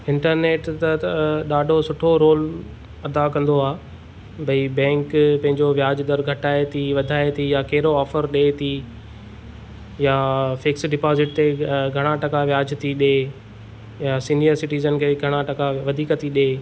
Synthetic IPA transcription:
ɪ̃ɳʈəɾneːʈt̪ɐɗaːɖʱosʊʈʰoɾoːl | ɐd̪akɐ̃nd̪oaː | bɐibɛ̃ːŋkpɐ̃ɦɪ̃ɲd͡ʑoʋjaːd͡ʑd̪ɐɾɡʱɐʈaːet̪ʰiʋɐd̪ʱaːet̪ʰijakɐɦɾoɔːfəɾɗeːt̪ʰi | jafɪksɖɪpaːzɪʈ̚t̪eɡʱɐɽ̃aʈɐkaʋjaːd͡ʑt̪ʰiɗeː | jasiːniəɾsɪʈiːzənkʰeːɡʱɐɽ̃aʈɐkaʋɐd̪ʱiːkət̪iɗeː

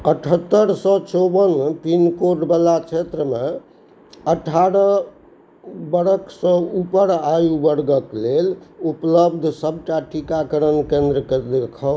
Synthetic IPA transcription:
əʈʰət̪ːəɾsɔ̃t͡ʃobənpinkoʈbəlat͡ʃʰet̪ɾəme | əʈʰaɾə | bəɾəksɔ̃upəɾajubəɾɡəklelupləbd̪ʱsəb̚ʱʈaʈʰikakəɾənkẽnd̪ɾəked̪ekʰə

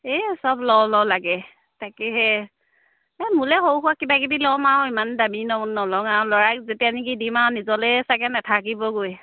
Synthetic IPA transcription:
ɛsɔblɔlɔlaɡɛ | takɛɦɛ | ɛmulɛxowxʊakːibakibilɔmaʊimandaminɔːɔlɔŋaɹɔlɔɹakzetianikidimanizɔlɛsakɛnatʰak̬ibɔɡoj

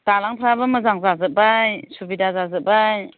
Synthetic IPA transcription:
talaŋtʰɾabaməzaŋzazɯbajsubidazazɯbaj

